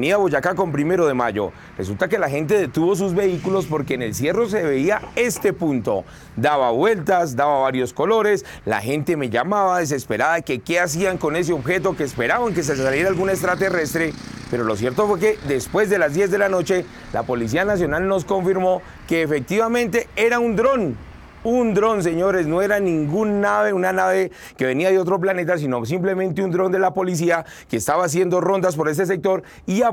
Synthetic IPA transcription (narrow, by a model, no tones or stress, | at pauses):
niaβoʝakako̞mpɾime̞ɾo̞ðe̞maʝo̞̰ | re̞sult̪ake̞laxe̞nt̪̬e̞ðe̞t̪uβo̞s̬uzbe̞ikulo̞spo̞ɾke̞ːne̞lsje̞ro̞s̬e̞βe̞iae̞st̪e̞punt̪o̞̰ | d̪aβaβwe̞lt̪as̬d̪aβaβaɾjo̞sko̞lo̞ɾe̞s | la̰xe̞nt̪e̞me̞ʝamaβaðes̬e̞spe̞ɾaðakeke̞as̬iaŋko̞ne̞s̬eo̞βxe̞t̪̬o̞keːspe̞ɾaβaŋke̞s̬ealje̞ɾaːlɡunes̬t̪ɾat̪e̞re̞st̪ɾe̞pe̞ɾo̞lo̞sje̞ɾt̪o̞fweke̞ðe̞spwe̞zd̪e̞lazd̪je̞zðe̞lano̞t͡ʃe̞ | la̰po̞lis̬ianas̬jo̞nalno̞s̬ko̞ɱfiɾmo̞ | ke̞ːfek̚t̪iβamẽ̞nt̪e̞e̞ɾaund̪ɾo̞n | und̪ɾo̞ns̬e̞ɲo̞ɾe̞sno̞e̞ɾanĩŋɡunːaβe̞unanaβe̞ | ke̞βe̞niaðeo̞t̪ɾo̞p̬lane̞t̪̬as̬ino̞s̬imple̞mẽnt̪eund̪ɾo̞nd̪e̞lapo̞lis̬ia | ke̞ːst̪aβaːs̬je̞nd̪o̞ro̞nd̪aspo̞ɾe̞s̬e̞s̬e̞k̚t̪o̞ɾ | ia